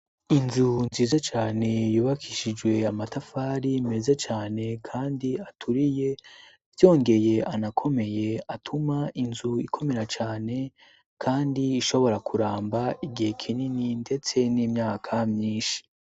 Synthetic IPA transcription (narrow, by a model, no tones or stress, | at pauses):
inzunziːzat͡ʃaːne̞juːβakʰiʃid͡ʒɡwe̞amatafaːɾime̞zet͡ʃaːne̞kʰaːndiatʰuɾije̞ | vjo̞ːŋɡe̞je̞anakʰo̞me̞je̞atʰumainzuikʰo̞me̞ɾat͡ʃaːne̞ | kʰaːndiːʃo̞βo̞ɾakʰuɾaːmbaiɡihe̞kʰinininde̞t͡se̞niːmɲaːkʰamɲiːnʃi̥